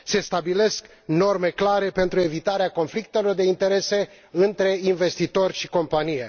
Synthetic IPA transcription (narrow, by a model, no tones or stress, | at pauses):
se̞st̪abile̞sk | no̞rme̞klaɾe̞pe̞nt̪ɾue̞vit̪aɾeako̞nflik̚t̪e̞lo̞rd̪e̞int̪e̞ɾe̞se̞ | ɨnt̪ɾe̞inve̞st̪it̪o̞rʲʃiko̞mpanije̞